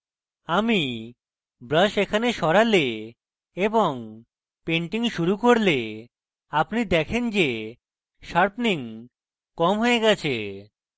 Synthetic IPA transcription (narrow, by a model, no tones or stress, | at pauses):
ami | bɾəʃekʰaneʃɔɾale | eboŋ | peɳʈiŋʃuɾukoɾle | apnid̪ɛkʰend͡ʑe | ʃaɾpniŋ | kɔmɦoeɡɛt͡ɕʰe